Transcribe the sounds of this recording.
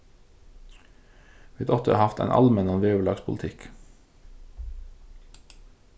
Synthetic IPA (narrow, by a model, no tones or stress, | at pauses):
ʋiːd̪ɔt̪ʰəɑ̰hɑft̪æ̰ɪnʔɑ̰lmɛnɑnʋeːʉlɑːɡspʰʊlt̪ʰɪk